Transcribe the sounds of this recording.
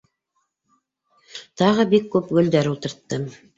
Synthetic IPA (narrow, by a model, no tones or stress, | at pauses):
t̪ɑʁɤbikːʉpɡɵ̆ld̪æɾulˠt̪ɤ̆ɾt̪ːɤ